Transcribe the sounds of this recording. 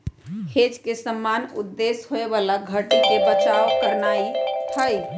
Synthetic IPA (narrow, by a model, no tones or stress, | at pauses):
hed͡ʒkesəmːanṵd̪ːesɦoebalaɡʱəʈikebət͡ʃawkəɾnait̪ʰəj